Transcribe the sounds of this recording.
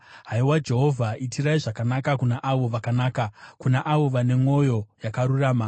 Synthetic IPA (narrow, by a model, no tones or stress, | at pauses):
ɦaiwad͡ʒe̞ɦo̞vʱaitiraiʐakanakakunaʔaʋo̞ʋakanaːkakunaʔaʋo̞ʋane̞ŋo̞jo̞jakaɾuraːma